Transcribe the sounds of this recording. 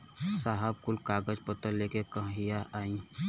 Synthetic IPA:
saːɦəb̚kʊlkaːɡəd͡ʒpət̪əlːeːkekə̃ɦɦijaʔaːĩ

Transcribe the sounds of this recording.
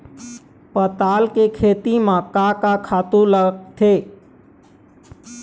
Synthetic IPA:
pət̪aːlkekʰeːt̪imãkakakʰaːt̪ũlət̪ʰeː

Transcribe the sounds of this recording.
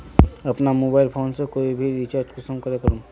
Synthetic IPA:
ɐpnamoːbaːɪlpʰoːnsekoːibʱiɾit͡ʃaːɾd͡ʒkʊsəmkɐɾekɐɾũː

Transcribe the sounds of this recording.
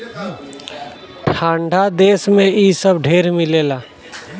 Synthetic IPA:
ʈʰãːɳɖʱad̪eːsmẽiːsəbɖʱeːɾmɪleːlaː

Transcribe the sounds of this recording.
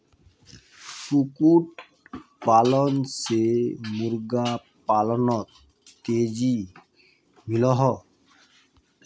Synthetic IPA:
sukuʈ̚ | palɔnsemuɾɡa | palɔnɔt̪ː | ed͡ʑi | milɔɦɔ

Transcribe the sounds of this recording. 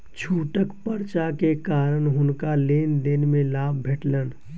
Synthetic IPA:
t͡ʃʰuːʈəkpəɾt͡ʃakekaːɾənɦʊnkaleːnd̪ɪnmẽlaːb̚bʱeʈlən

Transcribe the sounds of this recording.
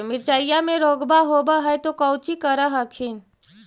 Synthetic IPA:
mɪɾt͡ʃaːjjamẽɾoːɡbaɦoːbaɦɛjt̪okəʊt͡ʃikəɾaɦɐkʰɪn

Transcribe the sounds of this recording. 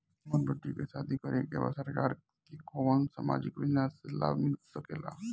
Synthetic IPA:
məɾbəʈːikesaːd̪ikəɾekḛba̰səɾkaːɾ | kikoːʋəŋsa̰ːma̰ːd͡ʒɪkbɪnasela̰ːbmisəkeːla̰ː

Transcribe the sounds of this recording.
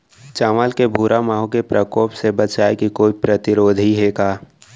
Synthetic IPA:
t͡ʃaːʋaːlkebʱuːɾʔamaːɦõkepɾəkoːpsebɐt͡ʃaːekikoːipɾɐt̪ɪɾoːd̪ʱiɦeːkaː

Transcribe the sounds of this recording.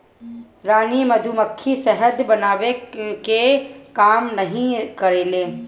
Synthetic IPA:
ɾaːniməd̪ʱuməkʰːisɛɦəd̪bənaːwekekaːmnəɦĩkəɾeːleː

